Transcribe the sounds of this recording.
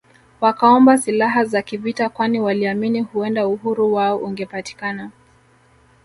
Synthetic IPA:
wakaɔmbasilaɦazakivitakwaniwaliaminihuɛndauhuɾuwaɔʔuŋɡɛpati̥kana

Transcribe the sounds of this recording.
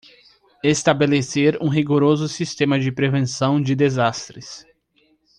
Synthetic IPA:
est̪abeleseɾũɦiɡoɾozʊsist̪ẽmɐd͡ʒɪpɾevẽsɐ̃w̃d͡ʒɪd̪ezast̪ɾɪs

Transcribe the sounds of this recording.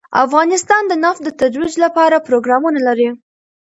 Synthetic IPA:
a̰fɣɑnɪst̪ɑnd̪ənafd̪ət̪ad̪wid͡ʒlapɑɾapɾoɡɾɑmunalaɾi

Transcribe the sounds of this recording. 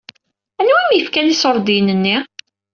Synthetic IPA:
ænwæmjəfkænisəɾˤd̪ijnənːi

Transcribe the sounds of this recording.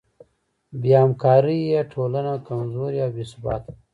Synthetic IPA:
bjamkɑːɾijeʈʰolanakamzoːɾjabeːsbɑːt̪

